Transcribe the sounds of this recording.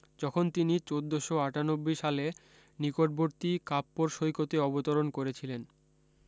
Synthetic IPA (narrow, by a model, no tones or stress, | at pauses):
d͡ʑɔkʰont̪init͡ɕod̪ːoʃoaʈanobːiʃale | nikoʈ̚boɾt̪ikapːoɾʃojkot̪eɔbot̪oɾonkoɾet͡ɕʰilen